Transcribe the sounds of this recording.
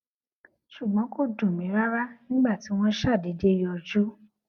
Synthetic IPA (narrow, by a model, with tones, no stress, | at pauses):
ʃu˨ɡ͡bɔ̃˨˦ko˦˨dũ˨mĩ˨˦ɾa˦ɾa˦nĩ˦ɡ͡ba˦˨ti˨˦w̃ɔ̃˦ʃa˦˨de˨˦de˦i˦ɔ˧d͡ʒu˦